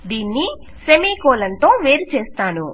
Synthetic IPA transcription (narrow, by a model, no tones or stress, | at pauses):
d̪iːnːi | semiːkoːlɐnt̪o̞ːʋe̞ːɾut͡ʃeːst̪aːnṵ